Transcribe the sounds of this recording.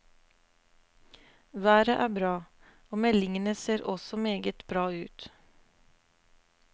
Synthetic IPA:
ʋæːɾəʔæːbɾɑː | oːmɛlɪŋənəseːɾɔsɔmeːɡət̪bɾɑːʉːt̪

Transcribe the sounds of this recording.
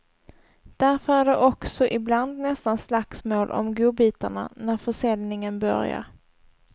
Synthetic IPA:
d̪̥æɾfœɾæɖɛʔɔksɔʔɪbland̪nɛst̪anslaksmoːlʔɔ̰mɡuːbiːt̪əɳa̰næɾfœʂɛlnɪŋənbœ̰ɾja̰ɾ

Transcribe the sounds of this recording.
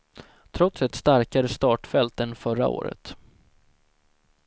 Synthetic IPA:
t̪ʰɾɔt̪sɛt̪st̪aɾkaɾəst̪ɑːʈfɛlt̪ənfœɾa̰o̰ːɾə̰t̪

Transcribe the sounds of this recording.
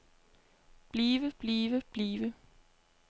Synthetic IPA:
b̥liːʋəb̥liːʋəb̥liːʋə

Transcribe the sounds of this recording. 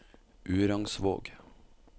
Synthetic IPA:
ʔʉːɾɑŋsʋo̰ːɡ

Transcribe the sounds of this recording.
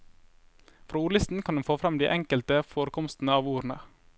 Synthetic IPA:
fɾoːuːɭɪst̪n̩kʰɑnd̪ɛnfoːfɾɛmd̪ḭːʔɛŋkəlt̪əfoːɾəkʰɔmst̪n̩əɑːʋuːɾnə

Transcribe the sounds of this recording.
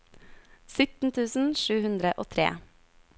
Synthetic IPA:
sʏt̪n̩t̪ʰʉːsn̩ʃʉːhʉnd̪ɾəʔoːt̪ʰɾḛː

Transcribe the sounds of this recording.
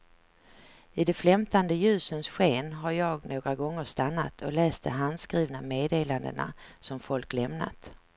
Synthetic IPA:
ɪd̪ɛflɛmt̪and̪əjʉ̟ːsənsɧeːnɦaɾjɑːɡnoːɡɾaɡɔŋːəʂt̪anːa̰t̪ʰɔlɛːst̪əɦand̪skɾiːvnameːd̪eːland̪ə̰na̰sɔmfɔlklɛmna̰t̪

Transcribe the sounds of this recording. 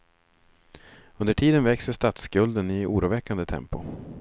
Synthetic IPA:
ɵnd̪əʈʰiːd̪ənvɛksəʂt̪at̪skɵld̪ənɪuːɾuːvɛkːand̪ət̪ʰɛ̰mpʊ

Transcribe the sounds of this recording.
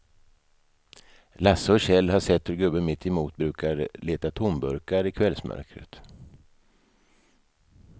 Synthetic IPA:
lasːəɔɕɛlːhaʂɛt̪ːhɵɾɡɵbːəmɪt̪ʰːɛmuːt̪̚bɾʉ̟ːkaɾleːt̪at̪ʰʊmbɵɾkaɾɪkʰvɛlsmʔœ̰ɾkɾə̰t̪

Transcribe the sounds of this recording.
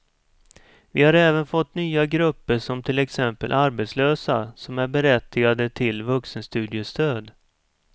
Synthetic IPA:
vɪhaɾɛːvənfɔt̪ːnyːaɡɾɵpːəʂɔmt̪ʰɪlɛksɛmpə̰lʔaɾbɛt̪sløːsa̰sɔmæɾbɛɾɛt̪ːɪɡad̪ət̪ʰɪlvɵksənst̪ʉ̟ːd̪ɪəst̪ʰøːd̪

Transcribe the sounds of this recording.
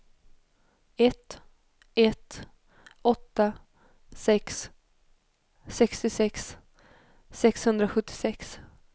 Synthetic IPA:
ɛt̪ | ɛt̪ | ɔt̪ːa | sɛks | sɛkst̪ɪsɛks | sɛkshɵnd̪ɾaɧɵt̪ːɪ̥sɛks

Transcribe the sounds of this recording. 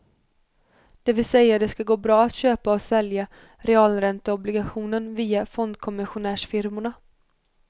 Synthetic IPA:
d̪̥ɛvɪlsɛjːad̪ɛskaɡoːbɾɑːat̪ɕøːpaɔsɛlja | ɾɛɑːlɾɛnt̪əɔblɪɡaɧuːnənviːafɔnd̪kʰɔmɪɧʊnæːʂfɪɾmʊɳa

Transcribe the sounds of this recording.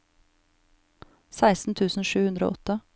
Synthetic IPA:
sæɪst̪n̩t̪ʰʉːsn̩ʃʉːhʉnd̪ɾo̰ːʔɔt̪ə

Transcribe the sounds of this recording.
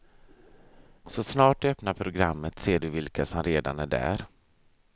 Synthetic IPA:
sɔsnɑːʈœpnaɾpʰɾʊɡɾamːət̪seːɖɵvɪlkasɔmɾeːd̪a̰næɖæ̰ːɾ

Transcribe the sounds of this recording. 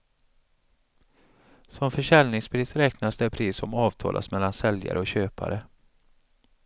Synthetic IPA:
sɔmfœʂɛlnɪŋspʰɾiːsɾɛknasd̪ɛpʰɾiːsɔmɑːvt̪ʰɑ̰ːlʔa̰smɛlːansɛlja̰ɾəɔɕøːpʰa̰ɾə

